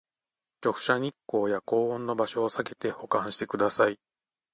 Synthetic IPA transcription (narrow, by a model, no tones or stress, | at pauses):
t͡ɕo̞kɯ̟̥ɕaɲ̟ikːo̞ːjako̞ːõnːo̞baɕo̞ːsake̞t̪e̞ho̞kãɰ̃ɕi̥t̪e̞kɯ̟d̪asai